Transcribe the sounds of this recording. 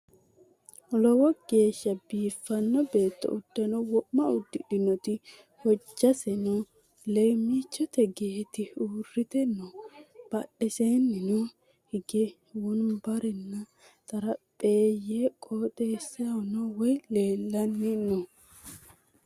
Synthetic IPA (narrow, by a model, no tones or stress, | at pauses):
lɔwɔɡ̥e̞ːʃːɐbiːfːɐnːɔbe̞ːt̪ːɔ̰ʊd̪̥ːɐnɔwɔʔmːɐʊd̪ːɪᶑɪnɔt̪ɪ | wɔd͡ʒːɐsɛnu | lejmiːt͡ʃːɔt̪ɛɡeːt̪ɪuːrɪt̪ɛnːɔb̥ɐɗɛseːnːɪnu | hɪɡɛ | wʊnbɐɾɛnːɐ | t̪ʼɐɾɐpʼeːjeːkʼoːt̪ʼeːsɪɐnɔwɔjleːlːɐnːɪnɔ